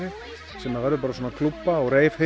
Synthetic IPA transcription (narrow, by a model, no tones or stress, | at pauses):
ɪ | sɛmːavɛɾðʏpaɾasoːnakʰlupːaɔɣɾeːjvhɪ